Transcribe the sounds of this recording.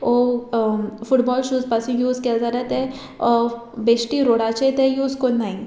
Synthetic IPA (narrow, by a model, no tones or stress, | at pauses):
o | fuʈbɔlɕuːzpasũjuːzkeld͡zaɾat̪e | besʈiɾoɽat͡ɕet̪ejuːd͡zkonːaĩ